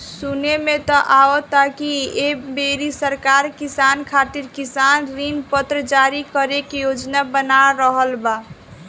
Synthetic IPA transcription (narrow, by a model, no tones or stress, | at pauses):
sunemet̪ɔʔaot̪akiebeɾisəɾkaɾkisankʰat̪iɾkisanɾinpət̪ɾəd͡ʒaɾikəɾekejod͡ʒnabənaɾəɦəlba